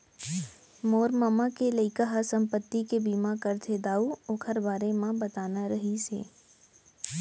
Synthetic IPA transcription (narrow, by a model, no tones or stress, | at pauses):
moːɾmaːmakeləɪkəɦasə̃mpət̪ːikebiːmãkəɾt̪ʰed̪aːuoːkʰəɾbaːɾemãbət̪aːnaɾəɦisḛː